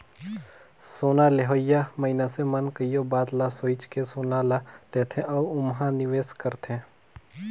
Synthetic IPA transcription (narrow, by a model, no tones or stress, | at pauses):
soːnaleɦoːjamɐɪnasemənkəijobaːd̪lasoːit͡ʃkesoːnalaleːt̪ʰẽʔɔːʊmɦãnɪʋeːskəɾt̪ʰẽː